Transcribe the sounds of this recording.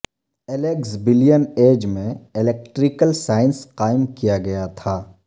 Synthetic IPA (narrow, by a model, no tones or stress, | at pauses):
eleːksbɪlijəneːd͡ʒmẽɪlek̚ʈɾikəlsaːɪnsqaːɪmkijaɡɐjat̪ʰaː